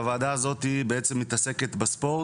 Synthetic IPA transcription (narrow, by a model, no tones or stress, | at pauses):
vaːd̪azo̞t̪ibeet͡semːit̪ase̞ket̪bespo̞